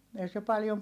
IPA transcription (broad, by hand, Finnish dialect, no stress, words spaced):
ei se pɑljom